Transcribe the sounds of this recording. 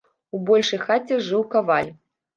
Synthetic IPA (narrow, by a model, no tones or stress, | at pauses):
ubɔlʲʂɨjxat͡sʲːɛʐɨwkavalʲ